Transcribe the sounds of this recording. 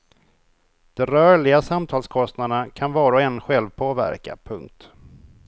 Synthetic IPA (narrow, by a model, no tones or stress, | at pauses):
d̪̥ɛɾœːɭɪɡasamt̪ʰɑːlskʰɔst̪nad̪ənakʰanvɑːɾaɔɛnɧɛlvpʰoːvæ̰ɾka̰pʰɵ̰ŋk̚t̪